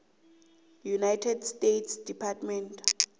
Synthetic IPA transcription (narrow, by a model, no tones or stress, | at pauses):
junajtʰɛdstetʰsd̥ipʰatmɛntʰʼ